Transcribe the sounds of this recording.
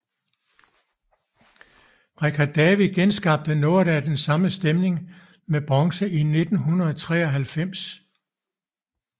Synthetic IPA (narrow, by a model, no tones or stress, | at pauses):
ʁɛkʰæd̥ɛʋiɡ̥ensɡ̥ɑ̈b̥̚d̥əno̝ɐɾ̥æd̥ensɑ̈məsd̥emne̝ŋ | meb̥ʁɑŋsəʔine̝d̥n̩ɦunɐð̩ˠɒt͡sʰʁɛ̰ːɒɦælfem̰s